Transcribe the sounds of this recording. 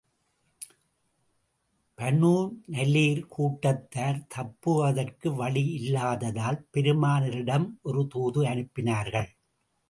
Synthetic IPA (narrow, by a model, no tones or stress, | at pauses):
pɐnuːnɐlːiːɾkʰuːʈːɐt̪ːaːɾt̪ʰɐpːɯɐðɐrkɯʋɐɭiɪlːaːðɐðaːlpɛɾɯmaːnɪɾɪɽɐmʔɔɾɯt̪uːðɯɐnɯpːɪnaːɾɣɐɭ